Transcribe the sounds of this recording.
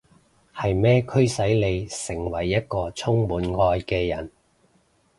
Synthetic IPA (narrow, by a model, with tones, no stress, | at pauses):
hɐ˨jmɛː˥kʰɵ˥ɥsɐ˨˥jle˨˧jsɪ˨˩ŋwɐ˨˩jːɐ˥t̚kɔː˧t͡sʰʊ˥ŋmuː˨˥nŋɔː˧jkɛː˧jɐ˨˩n